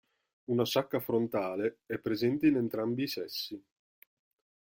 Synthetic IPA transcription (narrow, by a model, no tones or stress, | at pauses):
unasakːafɾont̪aːleɛpːɾezɛnt̪einent̪ɾambiːsɛsːi